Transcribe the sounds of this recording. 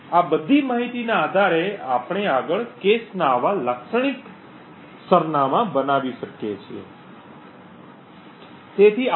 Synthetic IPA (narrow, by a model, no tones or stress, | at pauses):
abəd̪ʱimaɦit̪inaːd̪ʱaɾeapɳ̃eaɡəɭkesnaːʋaləkʃəɳ̃ik | səɾnamãbənaʋiʃəkjet͡ʃʰiḛ | t̪et̪ʰi